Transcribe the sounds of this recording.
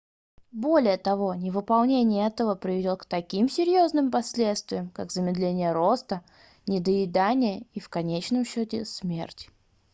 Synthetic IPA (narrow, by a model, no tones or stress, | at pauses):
bo̞lʲɪjət̪ɐvo̞nʲɪvɨpɐlˠnʲenʲɪjəɛt̪əvəpɾʲɪvʲɪdʲot̪kt̪ɐkʲimsʲɪɾʲjo̞znɨmpɐsʲlʲe̞t̪st̪vʲɪjəmkaɡzəmʲɪd̪lʲenʲɪjəɾo̞st̪ə | nʲɪd̪əɪd̪anʲɪjəifkɐnʲet͡ɕnəmɕːotʲɪsmʲe̞̰rtʲ